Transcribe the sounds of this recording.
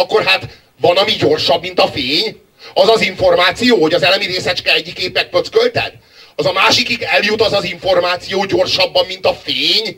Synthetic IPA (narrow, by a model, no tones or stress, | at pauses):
ɒkːo̞rɦat̪ | vɒnɒmiɟo̞rʃɒbmint̪ɒfeːɲ | ɒzɒziɱfo̞rmaːt̪sijoːho̞ɟɒzɛlɛmiɾeːsɛt͡ʃkɛlɛɟːikːeːpɛk̚pøt̪skølt̪ɛ̰d̪̥ | ɒzɒmaːʃikiɡɛljut̪ɒzɒziɱfo̞rmaːt̪sijoːɟo̞rʃɒbːɒmːint̪ɒfeːɲ